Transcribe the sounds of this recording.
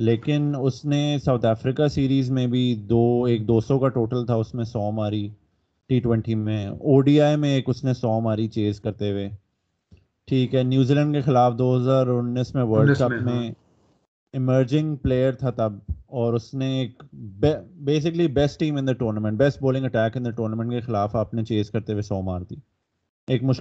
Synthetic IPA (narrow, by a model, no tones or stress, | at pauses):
leːkɪnʊsnesaʊt̪ʰɛːfɾɪkasiːɾiːzmẽbʱid̪oːeːk̚d̪oːsɔ̃kaʈoːʈəlt̪ʰaʊsmẽsɔːmaːɾi | ʈiːʈwɛ̃ɳʈimẽoːɖiːaːjmẽeːkʊsnẽsɔːmaːɾit͡ʃeːzkɐɾt̪eʋeː | ʈʰiːkɦɛnjuːziːlə̃ɳɖkexɪlaːfd̪oːɦɐzaːɾʊnːismẽʋəɾɖkɐpmẽ | ɪməɾd͡ʒɪ̃ŋɡpleːəɾt̪ʰat̪ɐb̚ɔːɾʊsneeːkbɛbeːs̬ɪklibɛsʈʈiːmɪ̃nd̪əʈoːɾnəmɛ̃ɳʈ̚bɛsʈ̚boːlɪ̃ŋɡɐʈɛːkɪ̃nd̪əʈoːɾnəmɛ̃ɳʈkexɪlaːfaːpnet͡ʃeːd͡ʒkɐɾt̪eʋesɔːmaːɾt̪ʰiː | eːkmʊʃ